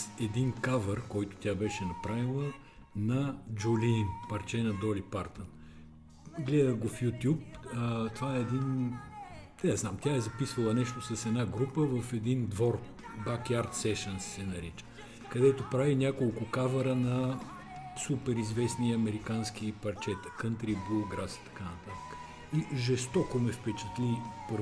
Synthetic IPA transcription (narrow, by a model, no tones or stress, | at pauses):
ɛd̪inkavəɾkɔjt̪ʊ̥t̪ʲabɛʃɛnɐpɾavilˠə | nɐd͡ʒolimpɐɾt͡ʃɛnɐd̪ɔlʲipaɾt̪ən | ɡlɛd̪əɡofjut̪ʲjup̚ət̪ovaɛːd̪in | ɛznamt̪ʲjaɛzɐpisvɐlˠɐnɛʃt̪osɐsɛd̪naɡɾupəvəfɛd̪ind̪vɔɾ | bakjaɾt̪sɛʃənssɛnɐɾit͡ʃə̥ | kɐd̪ɛt̪opɾavinʲakolˠkʊkavɐɾənɐ | supɛɾizvɛsniɐmɛɾikansk̟ipɐɾt͡ʃɛt̪ə̥kənt̪ɾibuɡɾasi̥t̪ɐ̥kanɐt̪at̪ə̥kə̥ | iʒɛst̪ɔkomɛfpɛt͡ʃɛ̥t̪lʲipɾ